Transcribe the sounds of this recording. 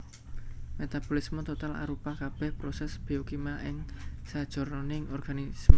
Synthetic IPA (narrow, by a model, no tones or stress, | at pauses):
met̪ab̥ɔlismɔt̪ot̪ala̰ɾupakab̥ɛhpɾosɛsb̥iokimaʔɪŋsad̥ʒ̥ɔ̤rɔnɪŋɔrɡ̥anis